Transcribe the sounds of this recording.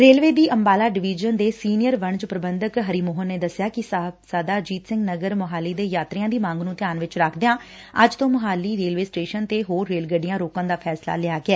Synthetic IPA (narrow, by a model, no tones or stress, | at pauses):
ɾeːlʋeːd̪iːʔəmbaːlaːɖɪʋiːd͡ʒənd̪eːsiːnɪjəɾʋəɳd͡ʒpɾəbənd̪əkɦəɾiːmoːɦənːeːd̪əsjaːkɪssaːd̪aːd͡ʒiːt̪sɪ̃ŋɡnəɡəɾmʊɦaːliːd̪eːjaːt̪ɾɪjãːd̪iːmãːŋɡnũːt̪ɪjaːnʋɪt͡ʃɾakʰd̪eãː | əd͡ʒt̪õːmʊɦaːlːiːɾeːlʋeːsʈeːʃənt̪eːɦoːɾːeːlɡəɖɪjãːɾoːkãːd̪aːpʰɛːsla̰ːlɪaːɡɪɛː